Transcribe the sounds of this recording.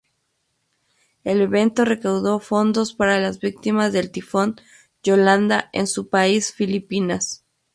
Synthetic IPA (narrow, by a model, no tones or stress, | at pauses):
ele̞βe̞nt̪o̞re̞kawðo̞fo̞nd̪o̞spaɾalazβik̚t̪imazðe̞lt̪ifo̞n | d͡ʒoland̪aʔensupaisfilipinas